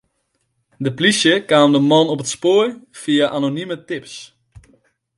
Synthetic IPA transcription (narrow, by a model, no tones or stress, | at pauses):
dəplisjəkaːmdəmɔnɔpətspoərfiaʔanonymətɪps